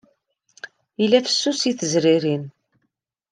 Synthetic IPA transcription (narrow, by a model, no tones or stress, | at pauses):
ilːæfə̥sːusiθəzɾiɾin